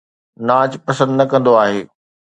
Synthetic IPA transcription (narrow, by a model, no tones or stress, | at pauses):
naːt͡ɕpɐsə̃nd̪nɐkɐ̃nd̪oaːɦeː